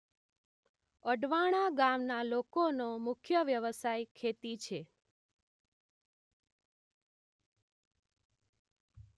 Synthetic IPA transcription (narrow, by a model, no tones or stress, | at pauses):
əɖʋaɽ̃aɡamnalokonomʊkʰjəʋjəʋəsajkʰet̪it͡ʃʰe